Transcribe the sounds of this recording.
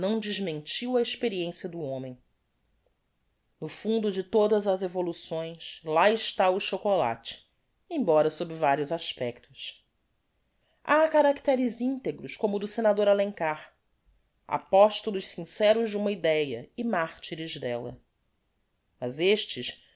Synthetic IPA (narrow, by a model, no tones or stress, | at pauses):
nɐ̃w̃d͡ʒɪʒmẽnt͡ʃiwɐeʃpeɾiẽsiɐd̪ʊõmẽj̃ | nʊfũnd̪ʊd͡ʒɪt̪od̪ɐzɐzevolusõj̃slaɪʃt̪aʊʃokola̰t͡ʃɪ̥ | ẽj̃bɔɾɐsobɾɪvaɾiʊzaʃpɛkt̪ʰʊs | akaɾakt̪ɛɾɪzĩnt̪eɡɾʊskõmʊd̪ʊsenad̪oɾalẽŋkaɾ | a̰pɔʃt̪ulʊʃsĩsɛɾʊʒd͡ʒɪũmɐid̪ɛjɐɪmaɾt͡ʃiɾɪzd̪ɛlɐ̰ | mɐzeʃt͡ʃɪʃ